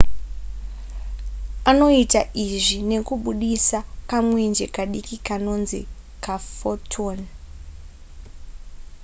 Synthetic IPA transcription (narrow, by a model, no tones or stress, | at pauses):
ano̞itaʔiʐine̞kuɓuɗisakamwe̞nd͡ʒe̞kaɗikikano̞nzḭ | kafotʰon